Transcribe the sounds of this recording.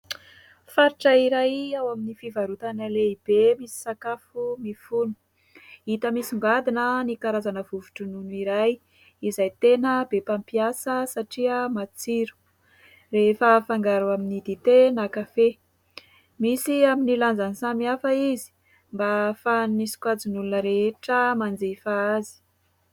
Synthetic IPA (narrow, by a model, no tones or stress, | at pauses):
faɾiʈ͡ʂəiɾajawaminifivaɾut̪anəleib̥emisi̥sakafumifunu̥ | it̪əmisiŋɡad̪inənikaɾazanəvuvuʈ͡ʂununiɾaj | izajt̪enəbepampiasəsaʈ͡ʂiəmat͡siɾu̥ | refəfaŋɡaɾuaminid̪it̪enakafe | misiaminiland͡zanisamiafəizi̥ | mbafannisi̥kwad͡zinulunəɾeeʈ͡ʂəmand͡zefaazi̥